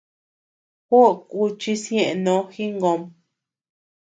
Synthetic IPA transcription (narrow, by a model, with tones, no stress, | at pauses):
xu˦˨ku˦t͡ʃi˧sjẽ˦˧ʔe˧nõ˧˦xi˦ŋɡo˧m